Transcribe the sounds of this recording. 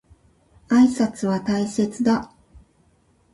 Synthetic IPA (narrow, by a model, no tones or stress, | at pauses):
aisat͡sɨβat̪aise̞t͡sɨd̪a